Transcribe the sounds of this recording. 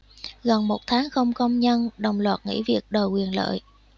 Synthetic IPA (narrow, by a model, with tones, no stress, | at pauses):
ɣə˨˩nmo˨˩t̚t̪ʰaː˨˦ŋxə˧wŋ͡mkə˧wŋ͡mɲə˧nɗə˨˩wŋ͡mlwaː˨˩t̚ŋḭ˧˥vi˨˩ək̚ɗəː˨˩jkwi˨˩ənlə̰ː˧˨j